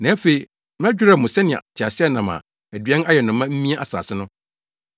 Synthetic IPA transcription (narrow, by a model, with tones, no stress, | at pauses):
nã˨æ˦fe˨i˨ | m˦æ˦d͡ʑᶣɪ˦ɾa˦˨mʊ̃˨sɛ˦nɪ̃˨ɛ̰˨tʰɪ˨a˨sɪ˦ɛ˦nã˨mã̰˨ | æ˨dɥɛ̃˦na˦jɛ˨nʊ̃˨mːã˦m̩˦mĩ˦a˦ʔa˨sa̰ː˨sɪ˦nʊ̃˦